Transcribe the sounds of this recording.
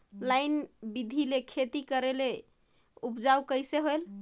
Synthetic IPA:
lajnbid̪ʱilekʰet̪ikəɾele | upd͡ʒaukəjseɦoel

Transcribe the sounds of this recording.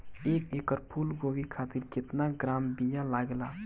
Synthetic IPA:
eːkekəɾpʰuːlɡoʋikʰaːt̪iɾkɪt̪naɡɾaːmbijãlaɡla

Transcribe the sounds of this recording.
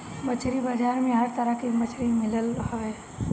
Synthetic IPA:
mət͡ʃʰɾibəd͡ʒaːɾmẽɦəɾt̪əɾəkimət͡ʃʰɾimɪləlhəʋe

